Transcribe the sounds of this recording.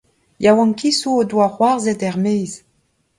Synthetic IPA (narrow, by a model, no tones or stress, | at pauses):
jawɑ̃ŋkisuodwaχwaʁzɛdɛʁmejz